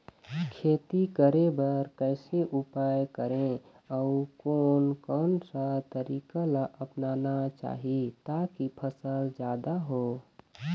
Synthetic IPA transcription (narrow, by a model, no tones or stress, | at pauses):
kʰeːt̪ikəɾebəɾkəɪseʔupajkəɾẽ | əukoːnkɔnsət̪əɾiːkalaʔəpnanat͡ʃa̰ːɦit̪akipʰəsəld͡ʒjaːd̪aɦo